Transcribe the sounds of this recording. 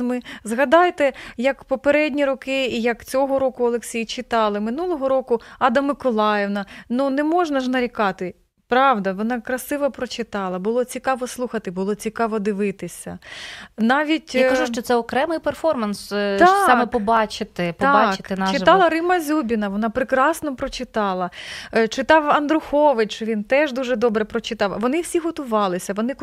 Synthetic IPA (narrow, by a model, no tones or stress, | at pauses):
mɪzɦɐd̪ɑjt̪ɛjɐkpɔpeɾɛdʲnʲiɾɔkɪiːjɐkt͡sʲɔɦɔɾɔkʊɐlˠeksʲijt͡ʃɪt̪ɑlˠɪmɪnulˠɔɦɔɾɔkʊɑd̪ɐmɪkɔlˠɑjeʋnɐnunɛmɔʒnɐʒnɐɾʲikɑt̪ɪ | pɾɑʋd̪ɐʋɔnɑkɾɐsɪʋɐpɾɔt͡ʃɪt̪ɑlˠɐbʊlˠɔt͡sʲikɑʋɔslˠuxɐt̪ɪbʊlˠɔt͡sʲikɑʋɔd̪ɪʋɪt̪ɪsʲɐ̰nɑʋʲitʲakɐʒuʃt͡ʃɔt̪sɛɔkɾɛmɪjpɛrfɔrmɐnst̪sɑmɛpɔbɑt͡ʃɪt̪ɪp̪ːɑɑt͡ʃkɪ̥t̪ɪnɑt͡ʃɪɑllˠɐɾɪmɐzʲubʲinɐʋɔnɑpɾɪkɾɑsnɔpɾɔt͡ʃɪt̪ɑlˠɐt͡ʃɪt̪ɑwɐnd̪ɾʊxɔʋɪt͡ʃt͡ʃt͡ʃɔʋʲint̪ɛʒd̪uʒɛd̪ɔbɾɛpɾɔt͡ʃɪt̪ɑwʋɔnɪwsʲiɦɔt̪ʊʋɑlˠɪsʲɐʋɔnɪ